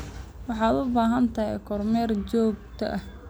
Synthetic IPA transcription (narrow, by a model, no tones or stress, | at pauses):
wɑħɑːd̪ʊbaːɦɐnt̪ʰɐɦɛ̰jkʰɔrmɛːrt͡ʃɔːɡ̚t̪ʰɐ̰ʔɐ